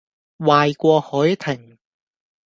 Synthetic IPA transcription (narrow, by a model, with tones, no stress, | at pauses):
waː˨jkʷɔː˧hɔː˨˥jt̪ʰɪ˨˩ŋ